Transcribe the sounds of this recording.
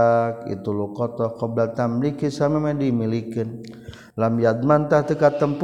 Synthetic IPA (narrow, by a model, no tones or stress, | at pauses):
k̚ḭt̪ulukɔt̪ɔhkɔblat̪amlikisamamadimilikɪn | lamjad̪̚mant̪aht̪əkat̪ːəmp